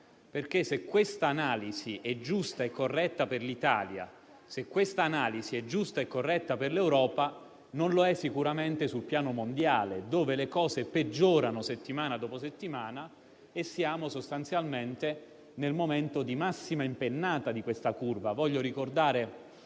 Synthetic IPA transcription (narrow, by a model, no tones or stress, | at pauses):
perk̟esekːwest̪aːnaːliziʔɛd͡ʒːust̪aekːorːɛt̪ːaperlit̪a̰ːlja̰ | sekːwest̪aːnaːliziɛd͡ʒːust̪aekːorːɛt̪ːaperlewɾɔːpa | nonloɛsːikuɾament̪esulpjaːnomond̪jaːled̪oːvelekɔːzeped͡ʒːoːɾanoset̪ːimaːnad̪ɔːposet̪ːimaːna | esːjaːmosost̪ant̪sjalment̪e | nelmoment̪od̪imasːimaimpenːaːt̪ad̪ikwest̪akurvavɔʎːoɾikord̪aːɾe